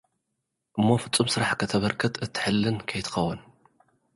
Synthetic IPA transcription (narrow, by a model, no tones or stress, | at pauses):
ʔɨmːo̞fɨt͡sʼːumsɨɾaħkʰɐt̪ʰɐβɐɾkʰɨt̪ʰɨt̪ʰːɨ̥ħɨlːɨnkʰɐjt̪ʰɨ̥xɐwɐn